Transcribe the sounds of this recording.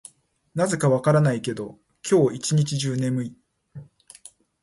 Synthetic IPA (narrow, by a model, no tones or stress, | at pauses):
naze̞kaβakaɾanaike̞d̪o̞ | kʲʰo̞ːit͡ɕiɲ̟it͡ɕiʑɨːnẽ̞mɯ̟i